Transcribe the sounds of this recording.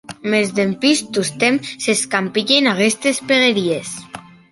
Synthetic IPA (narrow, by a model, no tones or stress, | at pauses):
mezðempist̪ust̪emseskampiʎenaɣest̪espeɣeɾies